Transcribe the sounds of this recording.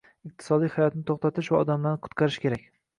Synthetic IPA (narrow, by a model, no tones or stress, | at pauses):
ɪq̚t̪ʰɪ̥sɒd̪ijhajɒt̪nɪt̪ʰoχt̪at̪ɪʃvaɒd̪amlanqʰʊ̥t̪qʰɑɾɪʃkʲʰeɾakʲ